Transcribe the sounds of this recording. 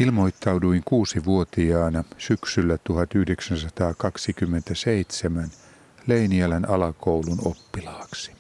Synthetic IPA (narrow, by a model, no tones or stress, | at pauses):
ilmojt̪ːɑwduiŋkuːsiʋuot̪iɑːnɑsyksylːæt̪uhɑt̪yhdeksænsɑt̪ɑːkɑksikymːent̪æseit̪semæn | leiniælænɑlɑkouluno̰pːilɑːksi̥